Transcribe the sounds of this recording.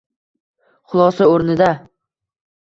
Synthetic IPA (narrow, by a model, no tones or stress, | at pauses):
χʊlˠɒsaoɾnɪd̪a